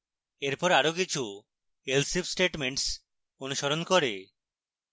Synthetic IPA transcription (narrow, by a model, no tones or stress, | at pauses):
eɾpɔɾaɾokit͡ɕʰu | elsipsʈeʈmeɳʈs | onuʃɔɾonkɔɾe